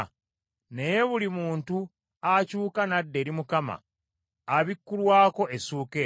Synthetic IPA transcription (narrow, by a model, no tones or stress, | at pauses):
ne̞je̞βulimuːntu | acuːkanadːe̞ːɾimukama̰ː | βikːulwaːko̞ʔesuːke